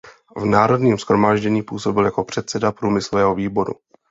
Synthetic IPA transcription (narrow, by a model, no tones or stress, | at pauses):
vnaːɾo̞dɲiːmsxɾo̞maːʒɟɛɲiːpuːso̞bɪljako̞pr̥ɛt̪sɛdapɾuːmɪslovɛːɦo̞viːbo̞ɾṵ